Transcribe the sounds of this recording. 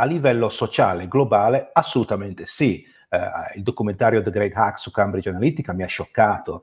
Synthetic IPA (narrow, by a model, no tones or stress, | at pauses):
alːivɛlːosot͡ʃaːleɡlobaːleasːolut̪ament̪esi | ild̪okument̪aːɾjod̪əɡɾejd̪haksukambɾid͡ʒanalit̪ikamiaʃːokːaːt̪o